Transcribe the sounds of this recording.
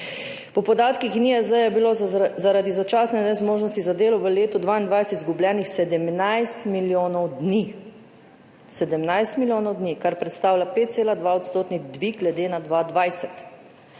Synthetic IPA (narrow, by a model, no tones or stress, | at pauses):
pɔpɔd̪aːt̪kixniɛzəjɛbilozaɾad̪izat͡ʃaːsnɛnɛzmoːʒnɔst̪izad̪eːlɔʋəleːt̪ɔd̪ʋaind̪ʋajsɛt̪izɡublʲjɛːnixsɛd̪ɛmnajst̪miljoːnɔwd̪ni | sɛd̪əmnajst̪miljoːnɔwd̪nikaɾpɾɛt̪st̪aːwlʲjapeːt̪̚tseːlad̪ʋaɔt̪st̪oːt̪niɣd̪ʋiɡɡlɛd̪eːnad̪ʋad̪ʋajsɛt̪